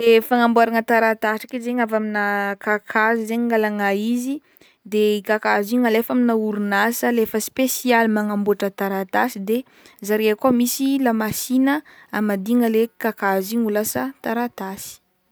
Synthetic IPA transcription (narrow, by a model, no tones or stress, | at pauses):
efaŋambuaɾaŋət̪aɾat̪aʈ͡ʂḁkezeɲavaminakakʰazizeɲiŋɡalaŋaizi | d̪eikakaziŋəlefaminauɾunasəlefəspesialmaŋambuaʈ͡ʂət̪aɾat̪asid̪e | zaɾeakoamisilamasinəamad̪iŋəlekakaziɲulasət̪aɾat̪asi̥